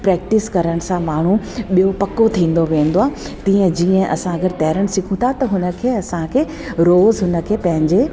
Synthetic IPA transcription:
pɾɛːk̚ʈɪskɐɾəɽ̃sãmaːɳ̤ũ | ɓijopɐkot̪ʰĩːn̆d̪oʋẽːnd̪oaː | t̪ĩːə̃d͡ʑiːə̃ʔɐ̰sãɐɡəɾt̪ɛːɾəɽ̃̆sɪkʰũt̪ʰat̪ɐɦʊnə̆kʰeːɐsãkʰeː | ɾoːzɦʊnə̆kʰeːpɐ̃ɦɪ̃ɲd͡ʑe

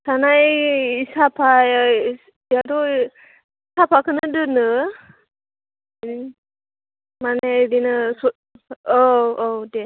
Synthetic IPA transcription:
sanajisapʰa | ijadɔ | sapʰakɯnɯdɯnɯ | manɛdinɯsu | ɔɔwdɛ

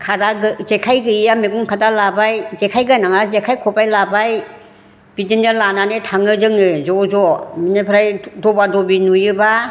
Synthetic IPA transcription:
kʰadaɡɯzekʰajɡɯijameɡuŋkʰadalabajzekʰajɡanaŋazekʰajkʰɔpajlabaj | b̥idindɯlananetʰaŋɯzɯŋɯzɔzɔminepʰɾajdɔbadɔbinujɯba

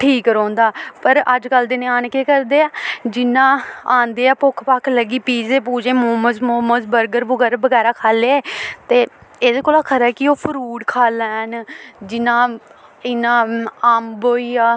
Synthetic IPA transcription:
ʈʰiːkɾɔ̃ːnd̪aːpəɾəd͡ʒkəld̪ɪnẽːaːnkeːkəɾd̪eːaːd͡ʒɪnãːaːnd̪eːaːpʊkʰpaːkʰləɡiːpiːzeːpuːd͡ʒẽːmoːməzmoːməzbəɾɡəɾbəɡɛːɾabəɡɛːɾaːkʰaːleːɛːt̪eːɪskoːlaːkʰəɾaːkioːpʰəɾuːɖkʰaːlɛːnd͡ʒɪnãː | ɪnãːaːmboːiːaː

